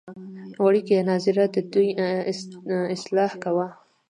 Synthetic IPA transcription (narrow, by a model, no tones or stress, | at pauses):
waɽikeanɑzɪɾad̪əd̪uj | ɪslɑhkawa